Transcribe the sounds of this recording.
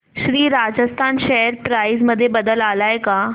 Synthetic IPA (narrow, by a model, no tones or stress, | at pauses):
ʃɾiːɾaːd͡ʑəst̪ʰaːnʃɛɦəɾpɾaːizməd̪ʱːjebəd̪əlaːlaːeka